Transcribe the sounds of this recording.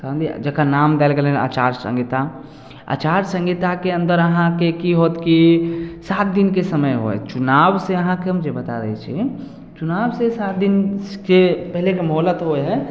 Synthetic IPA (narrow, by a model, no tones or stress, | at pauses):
sənd̪id͡ʒəkanaːmd̪elɡelɦɛa̰ːt͡ʃaːɾsə̰̃ŋɡit̪a | a̰t͡ʃaːɾsə̃ŋɡit̪akeə̃nd̪əɾəɦãkekiɦot̪kisat̪̚d̪inkesəməjɦo̰ɛ̰t͡ʃʊnaːbseəɦãkeɦəmd͡ʒebət̪a̰ɾə̰ɦɛ̰t͡ʃʰḭ | t͡ʃunaːbsesat̪̚d̪inkepɛɦlekemɦoːlət̪ɦoɦɛ